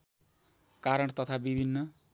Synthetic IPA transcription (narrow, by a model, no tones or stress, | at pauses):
kaɾʌɽt̪ʌt̪ʰabibʱinːʌ